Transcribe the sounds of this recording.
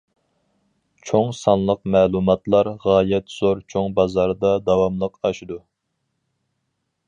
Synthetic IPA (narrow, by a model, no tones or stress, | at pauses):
t͡ʃʰoŋsɑnlˠəq̚mɛːlˠumɑt̪lˠɑɾʁɑːjɛt̪z̥oɾt͡ʃʰoŋbɑzɑɾd̪ɑd̪ɑwɑmlˠəqɑʃid̪u